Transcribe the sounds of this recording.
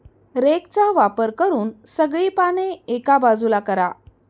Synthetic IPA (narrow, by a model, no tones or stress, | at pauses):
ɾekt͡saʋapəɾkəɾuːnsəɡɭiːpaneekabad͡zulakəɾa̰